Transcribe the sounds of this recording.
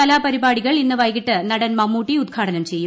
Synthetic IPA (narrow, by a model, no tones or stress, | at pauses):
ɐlaːpɐɾibaːɽiɣɐɭinnːɨʋɐjɣiʈːɨnɐɽɐnmɐmːuːʈːiud̪̚ɡʰaːɽɐnɐmt͡ɕe̞jːu